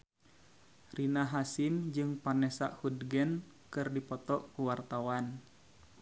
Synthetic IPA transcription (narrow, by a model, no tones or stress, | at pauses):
rinaɦasimd͡ʒɨŋpanɛsa̰ʔhudɡɛn | kɨrdipɔt̪ɔʔkuwart̪awan